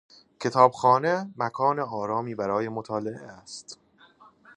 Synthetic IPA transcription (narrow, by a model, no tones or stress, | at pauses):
cʰe̞t̪ʰɒːbxɒːnemækʰɒːneɒːɾɒːmiːbæɾɒːje̞mot̪ʰɒːleʔḛæst̪